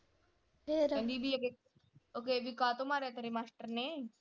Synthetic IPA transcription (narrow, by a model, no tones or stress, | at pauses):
eɾɛ̃nd̪ibʱioke | oːkeːbikaːt̪omaːɾet̪eɾemaːsʈəɾne